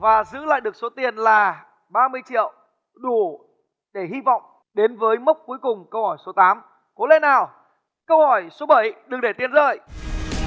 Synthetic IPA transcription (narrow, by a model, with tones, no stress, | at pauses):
vaː˨˩zɨ̰˧˥la̰ː˧˨jɗɨ˨˩ək̚so˨˦t̪i˨˩ənlaː˨˩ | ɓaː˧mɨ˧əjt͡ɕḭ˧˨əw | ɗu˧˩ | ɗe˧˩ɦi˧vɔ̰˧˨wŋ͡m | ɗe˨˦nvəː˨˦jmə˦˥k͡p̚ku˨˦əjkʊ˨˩ŋ͡mkə˧whɔ˧˩jso˨˦t̪aː˨˦m | ko˨˦lḛ˧˥nːaː˨˩w | kə˧whɔ˧˩jso˨˦ɓə˧˩jɗɨ˨˩ŋɗe˧˩t̪i˨˩ənzə̰ː˧˨j